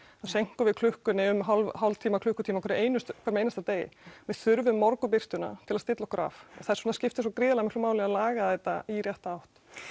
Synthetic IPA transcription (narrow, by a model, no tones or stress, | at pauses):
aðsejŋ̥kʏvɪðkʰlʏhkʏnɪʏmɦalvɦawlt̪ʰiːmakʰlʏhkʏt̪ʰimakʰɛɾɪʔeːjnʏst̪kʰɛɾɪmeːjnast̪at̪eːjɪ̰mɛðθʏɾvʏmːɔɾkʏpɪr̥t̪ʏna̰t̪ʰɪlast̪ɪt̪lɔhkɾa̰fa̰θaðɛɾsɔnascɪft̪ɪsɔkɾɪːðalaɣmɪhklmaːwlɪnalaːɣaθɛt̪a̰iɾjɛht̪aawht̪